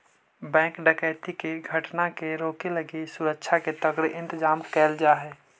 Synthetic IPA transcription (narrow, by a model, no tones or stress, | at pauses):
bɛ̃ːŋkɖəkɛːt̪ikeɡʱəʈnakeɾoːkeləɡesʊɾəkʃʰaket̪əɡɽeʔɪ̃nt̪ɪd͡ʒaːmkɛːld͡ʒaːɦɛː